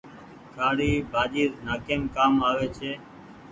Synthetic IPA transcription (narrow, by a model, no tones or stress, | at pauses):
kʰaːɽiːbʱaːd͡ʒiːɾnaːkeːmkaːmaːʋeːt͡ʃʰeː